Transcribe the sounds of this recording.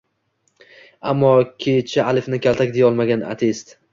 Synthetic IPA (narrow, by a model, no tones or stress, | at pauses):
amːɒkʲʰet͡ʃʰaalɪfnɪkʲalˠt̪ʰak̚ʲd̪ejɒlˠmaɡʲana̰t̪ʰest̪